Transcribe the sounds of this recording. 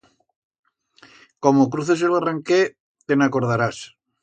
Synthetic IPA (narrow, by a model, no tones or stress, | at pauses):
komokɾuθes̬elaraŋke | t̪enakoɾð̞aɾas